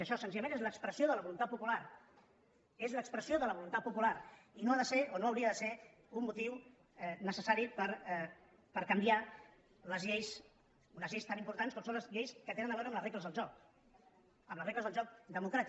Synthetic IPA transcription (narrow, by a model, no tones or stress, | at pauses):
əʃɔsənziʎəmenezləkspɾəsioðələβulunt̪at̪̚pupulaɾ | ezləkspɾəsioðələβulunt̪at̪̚pupulaɾinoaðəseonoəwɾiəðəse | ummːut̪iw | ɛnəsəsaɾipəɾ | pəɾkəmbia | ləzʎejs | unəzʎejst̪animpuɾt̪anskɔmsõnləzʎejskət̪enənd̪əβɛɾəmlərekləzðəlˠʒɔk | əmləsrekləzðəlˠʒɔk̚d̪əmukɾat̪i